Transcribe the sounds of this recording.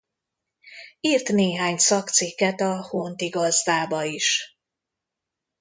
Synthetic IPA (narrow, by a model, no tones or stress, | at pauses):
iːrt̪neːɦaːɲsɒkt̪sikːɛt̪ɒhont̪iɡɒzd̪aːbɒiʃ